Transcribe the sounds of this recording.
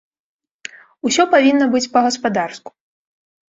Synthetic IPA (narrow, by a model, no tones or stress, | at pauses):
usʲɔpavʲinːɐbɨt͡sʲpɐɣɐspad̪arsku̥